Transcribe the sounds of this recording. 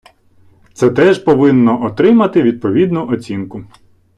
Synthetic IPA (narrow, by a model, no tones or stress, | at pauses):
t̪sɛt̪ɛʒpɔʋɪnːɔʔɔt̪ɾɪmɐt̪ɪʋʲid̪̚pɔʋʲid̪nʊʔɔt͡sʲinkʊ